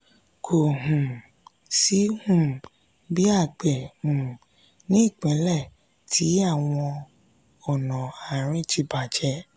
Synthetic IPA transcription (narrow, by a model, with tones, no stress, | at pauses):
kʰo˨ɦũ˨ | si˦hũ˦˨ | bi˦a˦˨k͡pe˨hũ˨ | nĩ˦i˦˨k͡pɛ̃˨˦lɛ˦˨ | tʰi˨˦a˦˨w̃ɔ̃˧ | ɔ˨nɔ̃˨a˨ɾ̃ĩ˨˦t͡ʃi˧ba˨d͡ʒɛ˧˦